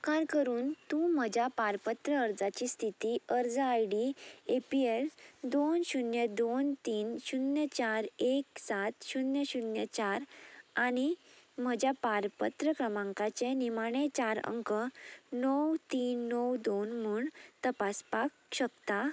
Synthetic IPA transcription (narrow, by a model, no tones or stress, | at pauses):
kaɾkəɾuːnt̪ũm̤əd͡ʑʱjapaɾpət̪ɾəːɾd͡zat͡ɕist̪ʰit̪iəɾd͡zəajɽiepield̪onɕunjəd̪ont̪iːnɕunjət͡ɕaɾeksat̪ɕunjəɕunjət͡ɕaɾaɽ̃im̤əd͡ʑjapaɾpət̪ɾəkɾəmãŋkat͡ɕenimaɽ̃et͡ɕaɾə̰ŋkənɔwt̪iːnːɔwd̪onm̤uːɳt̪əpaspakɕək̚t̪a